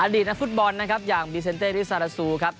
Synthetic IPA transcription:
ʔaː˧diː˨˩t̪̚na˦˥k̚fu˦˥t̪̚bɔ˧nːa˦˥kʰa˦˥p̚jaː˨˩ŋbiː˧s̬e˧nt̪eː˥˩ɾi˦˥sa˧ɾa˧suː˧kʰa˦˥p̚

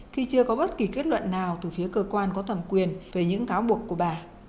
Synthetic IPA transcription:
xi˧t͡ɕɨ˧əkɔ˨˦ɓə˦˥t̚ki˨˩ke˦˥t̚lwə̰˧˨nːaː˨˩wt̪ɨː˨˩fi˨˦əkəː˧kwaː˧nkɔ˨˦t̪ʰə˧˩mkwi˨˩ənve˨˩ɲɨ̰˧˥ŋkaː˨˦wɓu˨˩əkːu˧˩əɓaː˨˩

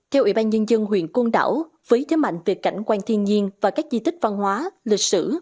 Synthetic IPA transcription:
t̪ʰɛ˧wʔḭ˧˩˥ɓaː˧nɲə˧nzə˧ŋɦwḭ˧˨ənko˧nɗa̰ː˧˩w | vəː˨˦jt̪ʰe˨˦ma̰˧˨jŋ̟vi˨˩əkːa˧˩jŋ̟kwaː˧ŋt̪ʰi˧ənɲi˧ənvaː˨˩kaː˦˥k̚zi˧t̪ï˦˥k̟̚va˧nhwaː˨˦lï˨˩k̟̚sɨ̰˧˩

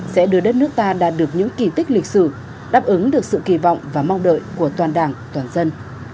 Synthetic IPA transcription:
sɛ̰˧˥ɗɨ˧˩əɗə˦˥t̚nɨ˦˥ək̚t̪aː˧ɗaː˨˩t̚ɗɨ˨˩ək̚ɲɨ̰˧˥ŋki˨˩t̪ï˦˥k̟̚lï˨˩k̟̚sɨ˧˩ | ɗaː˦˥p̚ʔɨ˨˦ŋɗɨ˨˩ək̚sɨ̰˧˨ki˧˩vɔ̰˧˨wŋ͡mvaː˨˩ma˧wŋ͡mɗə̰˧˨jku˧˩ət̪waː˨˩nɗaː˨˩ŋt̪waː˨˩nzə˧n

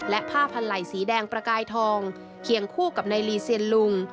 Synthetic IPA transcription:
lɛ˦˥ʔpʰaː˥˩pʰa˧nla˨˩jsiː˩˦dɛː˧ŋpɾa˧kaː˧jt̪ʰɔː˧ŋ | kʰi˨˩əŋkʰuː˥˩ka˨˩p̚na˧jliː˧si˧ənlu˧ŋ

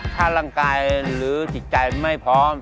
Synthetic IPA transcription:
kʰaː˥˩ɾaː˥˩ŋkaː˧jɾɯː˩˦t͡ɕi˨˩t̪̚t͡ɕa˧jma˥˩jpʰɾɔː˦˥m

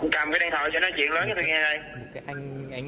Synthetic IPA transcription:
ka˨˩mkaː˨˦ɗaː˧˩t̪ʰo̰˧˨˩jsɛ̰˧˥nɔ˨˦jt͡ɕwḭ˧˨ənləː˨˦jkːt̪ə˧˩ŋaː˧ɗə˧j

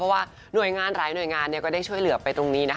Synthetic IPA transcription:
ɔ˦˥waː˥˩ | nu˨˩əjŋaː˧nɾaː˩˦jnu˨˩jŋaː˧nːi˥˩kɔː˥˩daː˥˩jt͡ɕʰu˥˩əjlɯ˨˩˦ɐpa˧jt̪ɾo˧ŋniː˦˥na˦˥

